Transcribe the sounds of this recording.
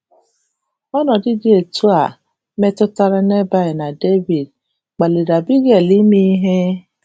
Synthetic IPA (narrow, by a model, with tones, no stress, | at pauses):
ɔ˦nɔ˨di˦di˦e˨tu˦a˨ | mɛ˦tʊ˦ta˧ɾa˦ne˦ba˦i˨na˨de˦vi˨d | k͡pa˨li˨ɾa˨bi˦ɡɛ˦˨li˦mi˦ɦe˦